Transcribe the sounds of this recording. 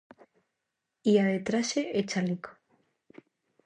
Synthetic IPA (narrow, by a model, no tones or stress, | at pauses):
iaðet̪ɾaseʔet͡ʃaliko̥